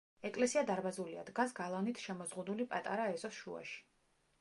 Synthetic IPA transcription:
ɛkʼlɛsiad̪aɾbazulia̰d̪ɡasɡalˠanit̪ʰʃɛmɔzʁud̪ulipʼat̪ʼaɾaɛzɔsʃṵa̰ʃi̥

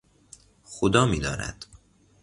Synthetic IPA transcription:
xod̪ɒːmiːd̪ɒːnæ̰d̪̥

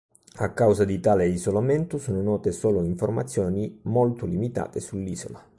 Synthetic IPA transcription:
akːawzad̪it̪aːleizolament̪ʊsoːnonɔːt̪esoːloiɱformat̪sːjoːnimolt̪ʊlimit̪a̰ːt̪esulːiːzo̰la

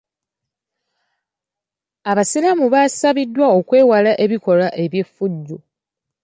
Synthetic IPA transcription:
aβasilamuβasaβidːwao̞kwe̞ːwalaʔe̞βiko̞laʔe̞βje̞fːuɟːo

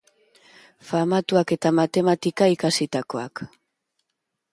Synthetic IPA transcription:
famat̪uake̞t̪amat̪e̞mat̪ikaikasit̪ako̞a̰k

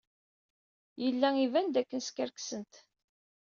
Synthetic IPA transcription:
jəlːæivænd̪ækːənskæɾksənt̪

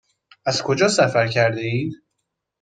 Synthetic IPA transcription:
æzkʰo̞d͡ʒɒːsæfæɾcʰæɾd̪eiːd̪

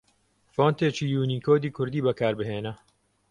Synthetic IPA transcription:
foːnt̪eːt͡ʃiːjuːniːkʰoːd̪iːkʰʊɾd̪iːbɐkʰaːɾbɨɦeːnɐ

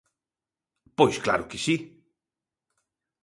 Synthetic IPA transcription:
pojskla̰ɾokesi

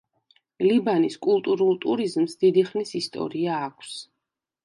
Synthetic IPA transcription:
libaniskʼulˠt̪ʼuɾulˠt̪ʼuɾizmsd̪id̪iχnisist̪ʼɔ̰ɾiaːkʷʰs

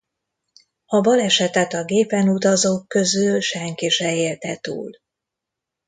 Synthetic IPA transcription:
hɒbɒlɛʃɛt̪ɛt̪ɒɡeːpɛnut̪ɒzoːkːø̞zylʃɛŋkiʃɛeːlt̪ɛt̪ṵːl

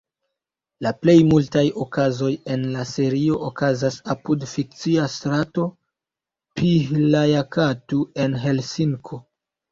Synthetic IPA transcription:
laple̞jmultajo̞kazo̞je̞nlase̞ɾio̞ʔokazasapudfik̚t͡siastɾato̞ | pihlajakatue̞nɦe̞lsiŋkʰo̞

